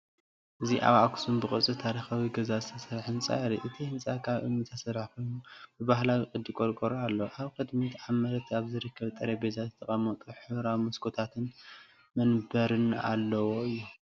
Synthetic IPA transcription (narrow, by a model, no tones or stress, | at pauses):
ʔɨziʔa̰βaksunbɨχʼɨt͡sʼɨt̪ʰaɾixawiɡɐzazɨt̪ʰɐsɐɾħɨnt͡sʼa̰ɾiʔɨt̪ʰihɨnsʼakʰaβʔɨ̰mːɨt̪ʰɐsɐɾħkʰojnubɨbahlawikʼɨd̪ikʼoɾkʼoɾoalːoʔaβkʰɨd̪mit̪amɐɾɐt̪ʰaβzɨɾɨkːɐβt̪ʼɐɾebezazɨt̪ʰɐχʼɐmɐt̪ʼuħɨβɾamuskʰot̪ʰat̪ʰɨn | mɐnbɐɾɨna̰lːɐwo̞ɨjːu